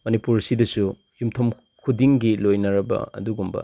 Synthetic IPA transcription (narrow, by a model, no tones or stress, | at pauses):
mɐnipuɾsidɐsu | jumtʰom | kʰudiŋɡilojnɐɾɐbɐ̰ɐ̰duɡumbɐ̰